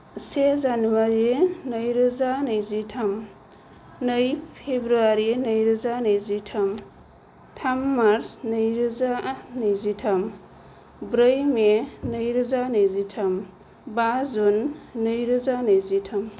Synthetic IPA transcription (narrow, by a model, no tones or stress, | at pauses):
sezanuwaɾinəjɾɯzanɯjzitʰam | nəjpʰebɾuaɾinɐjɾɐzanɯjzitʰɐm | tʰamːaɾsnɯjɾɯzanɯjzitʰɐm | bɾəjmenəjɾɯzanɯjzitʰɐm | bazunːɯjɾɯzanɯjzitʰɐm